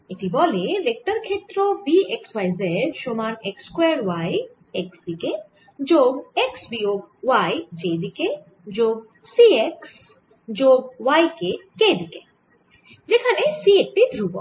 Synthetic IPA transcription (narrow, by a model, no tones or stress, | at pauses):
it̪ibɔlelek̚ʈəɾkʰeːt̪ɾobieksʋajzɛɖʃomaːnekskweɾʋaj | eksd̪ike | d͡ʒoːɡeksbioɡ̚ʋajd͡ʒed̪ike | d͡ʒoːɡ | sieks | d͡ʒoːɡ̚ʋajkeked̪ike | d͡ʒekʰanesiek̚ʈid̪ʱɾubɔ̰